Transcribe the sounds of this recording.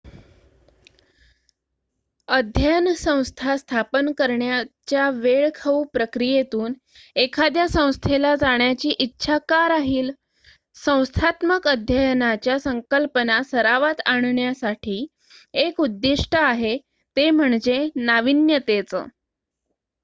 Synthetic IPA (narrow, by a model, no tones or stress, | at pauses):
əd̪ʱjəjnsə̃w̃st̪ʰast̪ʰapənkəɾɳjat͡ɕjaʋeɭkʰəʋpɾəkɾijet̪uːn | ekʰad̪jasə̃w̃st̪ʰelad͡zaɳjat͡ɕiːʔitːɕʰakaɾaɦiːl | sə̃w̃st̪ʰat̪məkəd̪ʱjəjnat͡ɕjasəŋkəlpənasəɾaʋat̪aɳ̃ɳjasaʈʰiː | ekud̪ːiʂʈʰəaɦe | t̪em̤əɳd͡ʑenaʋinjət̪et͡sə̰ː